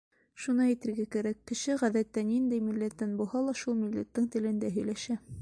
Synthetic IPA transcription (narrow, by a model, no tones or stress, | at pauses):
ʃunɑjĭt̪ɘ̆ɾɡækæɾækːɘ̆ʃɘʁæðæt̪ːænind̪ɘjmilːæt̪ːænbuhɑlˠɑʃulˠmilːæt̪ːɘŋt̪ɘ̆lɘ̆nd̪æɦɵ̆jlæʃæ